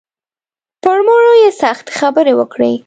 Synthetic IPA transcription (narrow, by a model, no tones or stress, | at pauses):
pəɾmoɽojesaxt̪xabəɾewəkɽḛ